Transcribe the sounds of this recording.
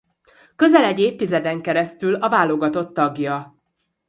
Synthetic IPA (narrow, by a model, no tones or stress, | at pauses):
kø̞zɛlɛɟːeːft̪izɛd̪ɛŋkɛɾɛst̪ylɒvaːlo̞ɡɒt̪o̞t̪ːɒɡjɒ